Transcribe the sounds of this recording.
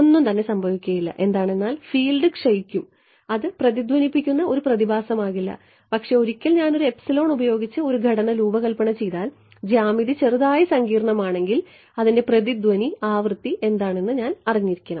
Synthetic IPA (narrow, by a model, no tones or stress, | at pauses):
onːumt̪ɐnːe̞sɐmbʱɐʋikʲːuɐjilːɐ̰ʔe̞nd̪aːɳe̞nːaːlfiːlɖɨkʂɐjikʲːum | ɐðɨprɐðid̪wɐnipːikʲːunːɐo̞ɾuprɐðibʱaːsɐmaːɣilːɐ̰ | pɐkʂe̞o̞ɾikʲːɐlɲaːno̞ɾue̞psɐlo̞ːɳubɐjo̞ːɡit͡ɕːɨo̞ɾuɡʱɐɽɐnɐluːbɐɣɐlpɐɳɐmt͡ɕe̞jðaːl | d͡ʑaːmiðit͡ɕe̞ruðaːjisɐŋɡiːrɐɳɐmaːɳe̞ŋɡil | ɐðinde̞prɐðid̪wɐniaːʋrɨt̪ːiʔe̞nd̪aːɳenːɨɲaːnɐriɲːiɾikʲːɐɳɐmm